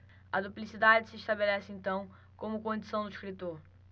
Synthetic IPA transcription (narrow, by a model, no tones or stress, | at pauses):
ɐd̪uplisid̪ad͡ʒɪsɪiʃt̪abelɛsɪẽnt̪ɐ̃w̃ | kõmʊkõd͡ʒisɐ̃w̃d̪ʊiʃkɾit̪oɾ